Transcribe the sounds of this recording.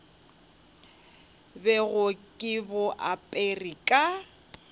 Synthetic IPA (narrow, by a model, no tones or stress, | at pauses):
bɛɣʊkʼɪbʊʔapʼerikʼa